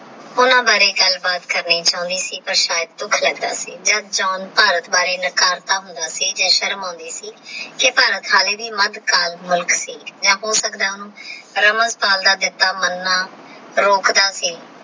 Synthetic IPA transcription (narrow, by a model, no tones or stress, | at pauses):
ʊnãːbaːɾeːkəlbaːt̪kəɾniːt͡ʃãːʊ̃nd̪iːsiːpəɾʃaːjd̪̚t̪ʊkʰlɛːɡd̪a̰ːsiːd͡ʒad̪d͡ʒaːnpaːɾət̪baːɾeːnəkaːɾt̪aːɦʊnd̪aːsiːd͡ʒãːʃəɾmãːnd̪iːsiːkɪpaːɾət̪ɦaːleːd̪iːməd̪kaːlmʊlksiːd͡ʒãːɦoːsəkd̪aːʊnũːɾəməzpaːld̪aːd̪ɪt̪ːaːmənːaː | ɾoːkd̪aːsiː